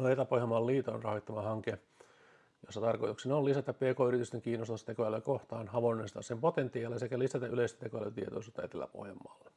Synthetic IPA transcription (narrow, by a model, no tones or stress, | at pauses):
noet̪elæpohjɑmːɑːlliːt̪onrɑhoit̪ːɑmɑhɑŋke | josːɑt̪ɑrko̰jt̪uksenolisæt̪æppeːkoːyrit̪yst̪eŋkiːnːost̪umst̪ːt̪ekojæløkoht̪ɑːnhɑʋonːest̪ɑ̰ssempot̪ent̪iɑːlːesekælisæt̪æʔyleist̪t̪ekojælø̰t̪iet̪o̰isuːt̪ːɑet̪elːæ̰po̰hjɑmːɑ̰ːlːe